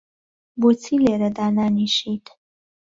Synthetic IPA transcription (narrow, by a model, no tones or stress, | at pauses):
but͡sʰileːɾɐd̪aːnaːniʃitʰ